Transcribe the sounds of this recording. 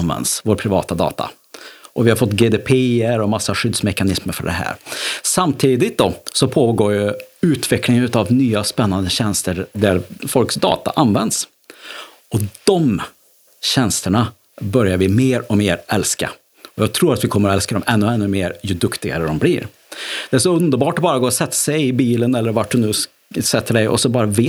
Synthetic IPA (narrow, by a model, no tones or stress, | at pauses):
nvɛ̰nd̪svoːɾpʰɾɪvɑ̰ːt̪ad̪ɑ̰ːt̪a̰ | ʔɔvɪhaɾfɔt̪ːɡeːd̪epʰeːəɾɔmasːaɧʏd̪smɛkanɪsməɾfœ̰ɖɛ̰ɦæ̰ːɾsamt̪ʰiːd̪ɪt̪̚d̪ɔsɔpʰoːɡoːɾjɵʉ̟ːt̪vɛklɪŋənʉt̪avnyːaspɛnːand̪əɕɛnst̪əɾd̪æɾfɔlksd̪ɑ̰ːt̪a̰ʔanvɛnd̪s | ɔd̪̥ɔm | ɕɛnst̪əɳa | bœɾjaɾvɪmeːɾɔmeːɾʔɛlska̰ | ɔjɑːɡ̚t̪ʰɾuːɾat̪vɪkʰɔmːəɾɔɛlskad̪ɔmʔɛnːɵɛnːɵmeːɾjɵd̪ɵkt̪ɪɡa̰ɾəd̪ɔmbliːɾ | d̪̥ɛæʂ̬ɔɵnd̪əɾbɑːʈɔbɑːɾaɡoːsɛt̪ːḁsɛjɪbiːlənɛlːəɾvaʈ̚ɖɵnʉ̟ː | sɛt̪ʰːəɖɛjʔɔ̰sɔbɑːɾaveː